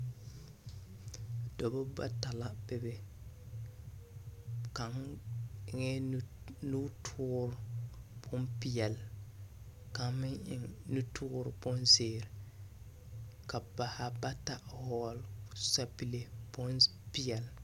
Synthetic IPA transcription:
dɔ˨bɔ˦ba̰˦ta˨la˦bɛ˨bɛ˨ | ka˨ŋ˨ | ŋɛ˦ | nu˦tʰʊː˦ɾb̥ʊ˦npi˦jɛ˨l | ka˨ŋmɪ˦ŋɪ̰˨ŋnu˦tʰʊː˦ɾbʊ˦nzeː˨ɾ | ka˨ba˨ha˦ba˦ta˨hɔ˦˨lsa˦pi˦le˦bn | pi˦jɛ˨l

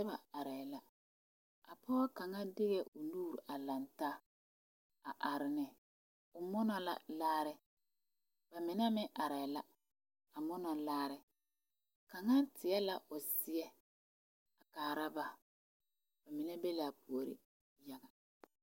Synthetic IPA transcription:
ɛ˦ba˨a˨ɾa˨la˦ | a˨pʰɔ˦a˦ka˨ŋa˦dɪ˦ɣɛ˨ʊ˨nuː˦˨ɾa˨la˨ntaː˦ | a̰˨ʔa˨ɾɪ˨nɪ˨ | ʊ˨mɔ˦nɔ˦la̰˦˨laː˦ɾɪ˦ | ba˨mɪ˨na˦mɪ˦ʔa˨ɾa˨la˦ | a˨mɔ˦na˨laː˦ɾɪ˨ | ka˨ŋa˦tɪ˨ɛ˦la˦ʔʊ˨sɪ˦ɛ˦ | a˨kaː˨ɾa˦ba˨ | b̥a˨mɪ˨nɛ˦be˦la˨a˨pʰu˨o˨ɾɪ̰˦ | ja˦ɡa˨

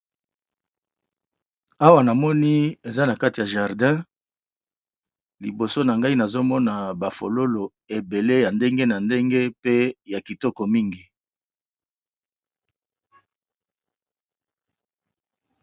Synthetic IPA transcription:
a˦wa˦na˨mɔ˦ni˦e˨za˦na˨ka˦ti˨ja˨ʒa˨ʁdɛ̃˦ | li˨bo˨so˦na˨ŋɡa˦i˦na˨zo˦mɔ˦na˨ba˨fo˨lo˦lo˨ | e˨be˨le˦ja˨nde˦ŋɡe˦na˨nde˦ŋɡe˦pe˦ja˨ki˨tɔ˦kɔ˨mi˦ŋɡi˨

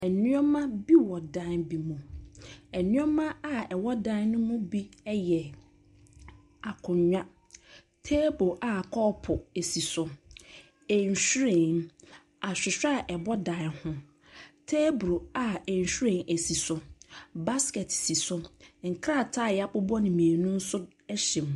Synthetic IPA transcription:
ɛ˨nĩ˦ɔ˦mã˦bi˦wɔ˨dã˦nbi˨mũ˨ | ɛ˨nĩ˦ɔ˦mã˦a˦ɛ˨wɔ˦dã˦nʊ̃˦mʊ̃˦bi˦ɛ˦jɛ˨ | a˨kʰʊ̃˨ɲᶣa˦ | tʰe˦bo˨ʔa˨kʰɔ˦pʰʊ˨e˨si˨sʊ˨ | e˨ɲ˨ɕᶣu˦ɾẽ˨n | a˨ɕᶣɪ˨ɕᶣa˦˨ʔɛ˨bɔ˦dã˨hʊ̃˦ | tʰe˦bɾu˨a˨e˨ɲ˨ɕᶣu˦ɾẽ˦˨ʔe˨si˨sʊ˨ba˦skɛ˨tsi˨sʊ˦ŋ̩˨kʰɾa˦˨tʰa˦˨jɛ˨a˨pʊ˦bɔ˦nɪ̃˨mĩ˨e˨nʊ̃˦n̩˦sʊ˦ | ɕɪ̃˨m˨

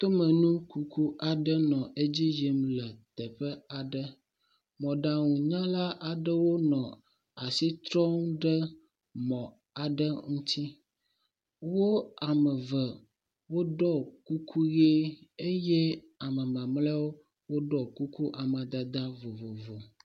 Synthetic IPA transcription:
t̪o˦mə˨nũ˦ku˦ku˦ʔa˨ɖə˦nɔ̃˨ʔe˦d͡ʑi˦d͡ʒi˨mlə˨t̪ə˨ɸə˦a˨ɖə˦ | mɔ̃˨ɖa˨ŋũ˨ɲã˦la˦ʔa˨ɖə˦wo˦nɔ̃˨ | a˨si˦t̪ɾɔ˦ŋ˦ɖə˦ | mɔ̃˨ | a˨ɖə˦ŋũ˦t̪ʰi˦ | wo˦a˨mə˨və˨ | wo˦ɖɔ˦ku˦kʰu˦ɣe˦e˦jɛ˦ | a˨mə˨mã˨mlɛ˦wo˦ | wo˦ɖɔ˨ku˦ku˦ʔa˨mã˨d̪a˨d̪a˦vo˨vo˨vo˨

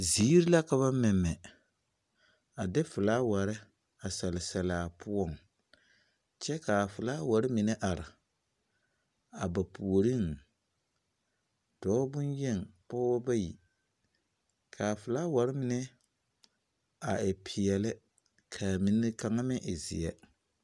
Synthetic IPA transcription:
ziː˨˦ɾi˦la˦ka˨βa˦mɪ˨mːɛ˨ | a˨dɛ˦fɨ˨laː˦wa˨ɾɪ˦ | a˨sɛ˨lɪ˨sɛ˨laː˨pʊ˦ɔ˦˨ŋ | t͡ʃɛ˦ka˨fʊ˨laː˦wa˨ɾɪ˦mɪ˨nɛ˦ʔa˨ɾɪ˨ | a˨ba˨pu˨o˨ɾi˦˨ŋ | d̥ɔː˨˦bʊ˦njɛ˦˨ŋpɔ˦wa˦ba˦jḭ˨ | kʰa˨fɨ˨laː˦wa˨ɾɪ˦mɪ˨nɛ˦ | a˨ɪ˨pʰɪ˨jɛ˨lɪ˦ | kʰa˨mi˨n˦ka˨ŋa˦mɪ˦ʔɪ˨zɪ̰˨jɛ˦

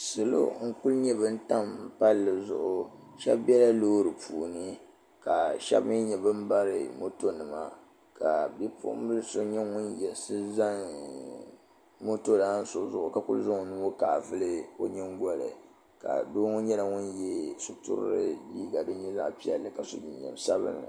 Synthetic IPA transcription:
sɨ˨lo̰˦ŋ̩˦ku˦lɲɛ˦bɨ˦n̩˦ta˦m̩˦pa˦lːɨ˨zʊ̰˨ʔʊ˨ | ʃɛ˦bbɛ˦la˦loː˦ɾɨ˨pʰuː˨nɨ˦ | ka˨ʃɛ̰˦bmɨ˦ɲɛ˨bɨ˦m̩˦ba˦ɾɨ̰˨mo˦to˦nɨ˨ma̰˨ | ka˨bɛ˦pʰṵː˨˦m˦bɨ˦lɨ˦so˦ɲɛ˦ŋʊ˦njɛ˨sɨ˦za˦n | mo˦to˦daː˦n̩˦so˨zʊ˨ʔʊ˨ka˨kʊ˦lzʊ˦ŋo˨nu˦o˦kaː˨vɨ˦lɨ˦o˦ɲɪ˦ŋɡɔ˦lɨ̰˨ | ka̰˨do˦ŋo˦ɲɛ˦la˨ŋʊ˦njɛ˦su˦tʊ̰˦ɾ̰ɾɨ˦diː˦ɡa˨dɨ˦ɲɛ˦za̰˦ʔpi˦ɛ̰˨lːɨ˨ka˨so̰˦d͡ʒi˨ɲɲɛ̰˨m˨sa˦bɨ̰˦ŋ˨

